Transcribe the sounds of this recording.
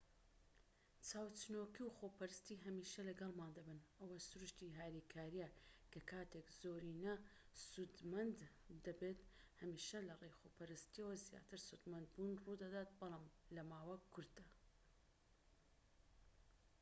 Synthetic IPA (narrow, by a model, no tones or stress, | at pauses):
t͡sʰaːwt͡sɨnoːkiwxoːpɐɾɨst̪iːɦɐmiːʃɐlɐɡɐlˠmaːnd̪ɐbɨnʔɐwɐsʊɾuʃt̪iɦaːɾikʰaːɾijakʰɐkʰaːt̪ʰekz̥oːɾiːnɐ | sud̪mɐnd̪d̪ɐbet̪hɐmiːʃɐlɐrejxoːpʰɐɾɨst̪iɐwɐzja̰ːt̪ɨɾsud̪mɐnd̪̚bunruːd̪ɐd̪aːt̪̚bɨlˠaːmlɐmaːwɐkʰʊɾd̪ɐ